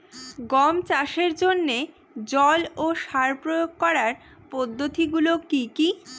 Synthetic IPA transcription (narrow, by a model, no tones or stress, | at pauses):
ɡɔmt͡ɕaʃeɾd͡ʑonːe | d͡ʑɔloʃaɾpɾojoɡ̚kɔɾaɾ | pod̪ʱːot̪iɡulokiki